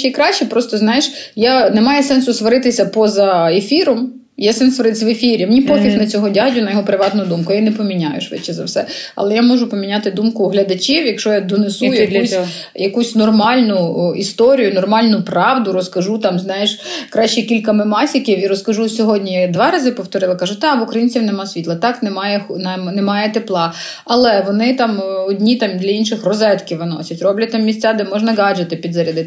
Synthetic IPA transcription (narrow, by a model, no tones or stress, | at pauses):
t͡ʃikɾɑt͡ʃɛpɾɔst̪ɔznɑjɪʃjanɛmɑjɛsɛnsʊsʋɔɾɪt̪ɪsʲɐpɔzɐefʲiɾɔm | jɛsɛnsʋɔɾɪt̪ɪsʲʋefʲiɾʲimenʲipɔfʲixnɐt͡sʲɔɦɔdʲaɦdʲʊnɐjɔɦɔpɾɪʋɑt̪nʊd̪umkʊjainɛpɔmʲinʲajʊʃʋɪ̰t͡ʃːɛzɐ̰wsɛ̰ | ɐ̰lˠɛjamɔʒʊpɔmʲinʲat̪ɪd̪umkʊɦlʲɐd̪ɐt͡ʃʲiwjɐkʃɔjad̪ɔnesujɐkusʲ | jɐkusʲnɔrmɑlʲnʊist̪ɔɾʲijʊnɔrmɑlʲnʊpɾɑwd̪ʊɾɔskɐʒut̪ɑmznɑjɛʃkɾɑʃt͡ʃɛkʲilʲkɐmɪmɑsʲikʲiwiɾɔskɐʒusʲɔɦɔdʲnʲijd̪ʋɑɾɑzɪpɔwt̪ɔɾɪlˠɐkɑʒʊt̪ɛʋʊkɾɐjinʲt͡sʲiwnɛmɑsʲʋʲit̪lˠɐt̪ɑknɛmɑjɛxnɛnɛmɑjɛt̪eplˠɑ | ɐlˠɛʋɔnɪt̪ɑmɔdʲnʲit̪ɑmd̪lʲɐinʃɪxrɔzɛt̪kʲiwʋɪnɔ̰sʲɐtʲrɔblʲɐt̚ʲt̪ɑmːʲisʲtt͡sʲad̪ɛmɔʒnɐɡɑd͡ʒɐt̪ɪpʲid̪zɐɾʲɐd̪ɪt̪